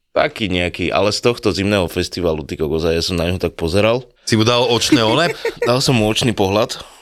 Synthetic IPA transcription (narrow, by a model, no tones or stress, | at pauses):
t̪a̰kiːɲɛakiːʔa̰lɛst̪ɔxt̪ɔzimnɛːɦɔfɛst̪iʋaːlut̪ikɔɡɔzajasɔmnaɲɦɔt̪ak̚pɔzɛɾal | simud̪alɔt͡ʃnɛːɔnɛd̪alsɔmːuɔt͡ʃniːpɔɦlat̪